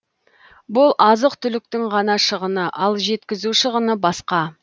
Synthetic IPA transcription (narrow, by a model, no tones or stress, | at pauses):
bʊlˠʔɑzəqt̪ʰʏlɪk̚t̪ɪŋʁɑnɑʃəʁənəʔɑlˠʒe̞t̪kʲɪzuʃəʁənəbɑsqɑ